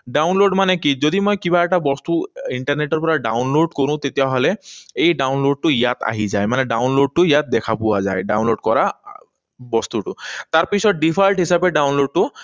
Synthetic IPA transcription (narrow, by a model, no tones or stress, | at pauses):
ɖawnloɖmanɛkizodimɔjkiβaɛʈabɔst̪uiɳʈaɹneʈɔɹpɔɹaɖa̰wnloɖkoɹʊ̃t̪etijaɦɔlɛejɖawnloɖ̚tʊijat̪a̰ɦizajmanɛɖawnloɖ̚tʊjat̪̚dɛkʰapʊwa̰za̰jɖa̰wnloɖkɔɹa | bɔst̪uʈʊt̪aɹpisɔt̚ɖipʰajlʈɦisapɛɖawnloɖ̚tʊ